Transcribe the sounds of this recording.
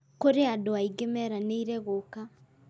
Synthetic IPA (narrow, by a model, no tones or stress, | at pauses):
koɾeadoaiɡemɛɾaneiɾɛɣoka